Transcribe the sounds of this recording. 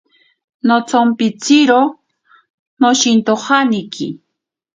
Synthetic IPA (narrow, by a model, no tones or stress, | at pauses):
not͡sompit͡siɾo | noʃint̪ohanikʰḭ